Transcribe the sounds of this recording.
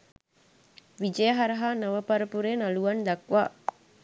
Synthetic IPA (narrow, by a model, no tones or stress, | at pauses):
ʋid͡ʒejəɦaɾɐɦaːnɐʋəpɐɾəpuɾeːnaluʋɐnd̪ɐkʋaː